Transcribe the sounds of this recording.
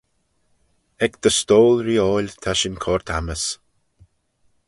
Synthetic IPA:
ɛkd̪̥əst̪oːlɹiːɔːlʲt̪ʰaʃɪnkʰɔɹt̪ʰaməs

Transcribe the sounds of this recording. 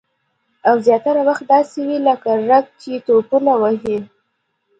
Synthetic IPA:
awzjɑt̪aɾawaxt̪̚d̪ɑsewiləkaʐaɡ̚t͡ʃet̪opunawəɦi

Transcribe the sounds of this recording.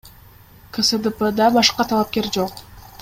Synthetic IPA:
kʰəsəd̪əpəd̪ɑbɑʃqɑt̪ʰɑlˠɑp̚kʲe̞ɾd͡ʒo̞q

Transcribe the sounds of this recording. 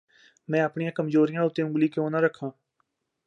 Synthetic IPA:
mɛ̃ːəpɳijãːkəmzoːɾijãʊt̪ẽʊ̃ɡlikeõːnaɾəkʰãː

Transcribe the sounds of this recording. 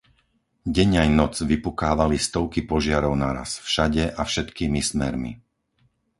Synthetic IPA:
ɟɛɲajnɔd͡zʋipukaːʋalist̪ɔʊkipɔʒɪaɾɔʊnaɾa̰sfʃaɟɛʔafʃɛt̪kiːmismɛɾmḭ

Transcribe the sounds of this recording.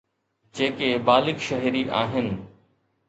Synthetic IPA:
d͡ʑeːkebaːlɪkʃɐɦɾiʔaːɦɪnɪ̆

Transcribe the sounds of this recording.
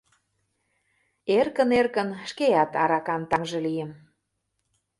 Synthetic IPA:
erkə̆nerkə̆nʃkeɑt̪ɑɾɑkɑnt̪ɑŋʒɤ̆lijəm

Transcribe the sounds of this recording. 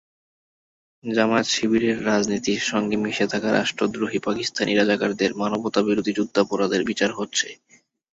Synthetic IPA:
d͡ʑamat̪ʃibʱiɾeɾːad͡ʑnit̪iɾʃɔŋɡemiʃet̪ʰakaɾʔa̰ʃʈɾod̪ɾoɦipakist̪ʰaniɾad͡ʑakaɾd̪eɾmanobot̪abiɾod̪ʱid͡ʑud̪ʱːapoɾad̪eɾbit͡ɕaɾɦotːɕʰe

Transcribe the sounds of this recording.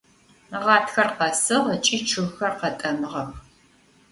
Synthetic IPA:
ʁɑːtxɐrqɐsɨʁət͡ʃʼiːt͡ʃʰɨɣxɐrqɐtʼɐmɨʁɐx

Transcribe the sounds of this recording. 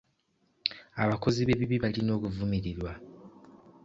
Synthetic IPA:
aβako̞ziβe̞βiβiβalino̞ːkuvumiɾiɾwa

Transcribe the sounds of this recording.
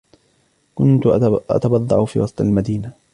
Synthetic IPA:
kʊnt̪ʊʔa̰t̪abɑd̪ˤːɑ̰ʕʊfḭːwɑsˤt̪ˤalmad̪iːna

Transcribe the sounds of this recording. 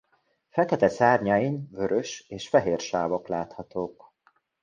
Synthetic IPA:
fɛkɛt̪ɛsaːrɲɒinvøɾøʃeːʃfɛɦeːrʃaːvo̞klaːt̪hɒt̪oːk

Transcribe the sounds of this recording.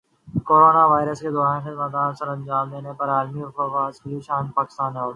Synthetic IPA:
koːɾoːnaʋaːɪɾəsked̪ɔːɾaːnxɪzmaːd̪aːnsɐɾɐ̃nd͡ʒaːmleːnepɐɾaːlmiʊfoʋaːzkiʃaːnpaːkɪ̥st̪aːnːeoːɽ

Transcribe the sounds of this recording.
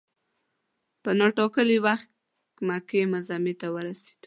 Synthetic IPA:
pənaʈɑkəliwaxt̪ | kmakemazamit̪awəɾase̥d̪

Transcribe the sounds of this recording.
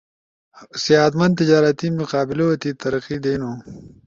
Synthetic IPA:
siaːt̪mɐnd̪̚t̪ɪd͡ʒaːɾɐt̪imuqaːbɪloot̪it̪ɐɾɐqid̪eːnoː

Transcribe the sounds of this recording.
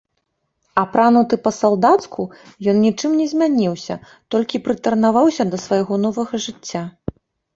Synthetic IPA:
ɐpɾanut̪ɨpɐsalˠd̪at̪sku | jɔnnʲit͡ʂɨmnʲɛzʲmʲanʲiwsʲɐ | t̪ɔlʲkʲipɾɨt̪ɐrnavawsʲɐd̪ɐsvajɣɔnɔvɐɣɐʐɨt͡sʲːa

